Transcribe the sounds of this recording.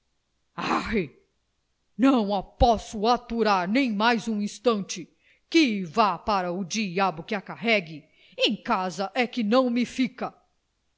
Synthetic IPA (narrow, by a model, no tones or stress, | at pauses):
ae | nɐ̃w̃apɔsʊat̪uɾaɾnẽj̃majzũĩst̪ɐ̃nt͡ʃɪ | kɪvapaɾɐʊd͡ʒiabʊkɪakaɦɛɡɪ | ẽj̃kazɐʔɛkɪnɐ̃w̃mɪfikɐ